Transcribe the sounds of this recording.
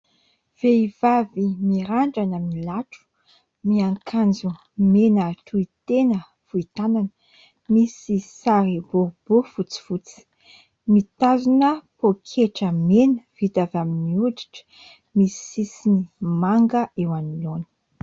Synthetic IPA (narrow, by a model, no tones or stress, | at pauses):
v̥eiv̥avimiɾaɳɖ͡ʐanəmilaʈ͡ʂu̥ | miaŋkʰand͡zu | menaʈ͡ʂuit̪enə | fuit̪ananə | misisaɾibub̥ufut͡si̥fut͡si̥ | mit̪azinəpokʰeʈ͡ʂəmenəv̥it̪avaminiuʈ͡ʂi̥ʈ͡ʂə̥ | misisinimaŋɡəʔewaniloni̥